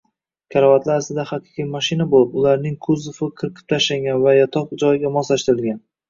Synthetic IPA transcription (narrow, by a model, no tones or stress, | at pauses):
kʲʰaɾɒvat̪laɾsɪd̪aχɑqʰɨ̥qʰijmaʃɪnabolˠɪpʊlaɾnɪŋkʰʊzʊfɪqʰɨɾqʰɪ̥p̚t̪ʰaʃlaŋɡʲanvajat̪ʰɒq̚d͡ʒɒjɪɡʲamɒsaʃt̪ɪɾɪlɡʲan